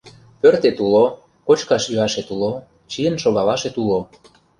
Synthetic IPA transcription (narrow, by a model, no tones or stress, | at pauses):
pørt̪et̪ulo | kot͡ɕkɑʃyɑʃet̪ulo | t͡ɕijənʃoɣɑlɑʃet̪ulo